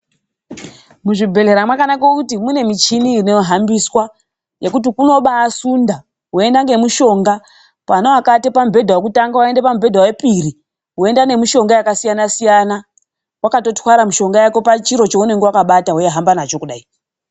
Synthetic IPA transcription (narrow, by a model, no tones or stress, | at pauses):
muʐibʱe̞le̞ɾamwakanakaokutimune̞mit͡ʃinineɦambiswa | je̞kutikuno̞ɓaːsunda | ɦwoe̞ndaŋɡe̞muʃo̞ŋɡa | panowakatepambʱe̞dʱawek̬utaŋɡawaende̞pamubʱe̞dʱawe̞piri | ɦwoe̞ndane̞miʃo̞ŋɡajakasijanasijana | wakato̞twaɾamiʃo̞ŋɡajako̞pat͡ʃiɾo̞t͡ʃeune̞ŋɡe̞wakaɓataɦojaɦambanat͡ʃo̞kuɗai